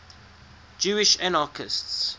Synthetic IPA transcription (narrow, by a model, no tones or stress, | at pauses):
d͡ʒuːɪʃanakʰɪsts